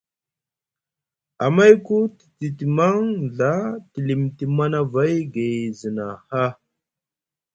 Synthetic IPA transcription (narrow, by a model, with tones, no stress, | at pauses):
a˨ma˦jku˦ti̥˨ti˨ti˨ma˦ŋɮa˦ti˨li˨mti˨ma˦na˦va˦jɡe˨zə˨na˨ha˦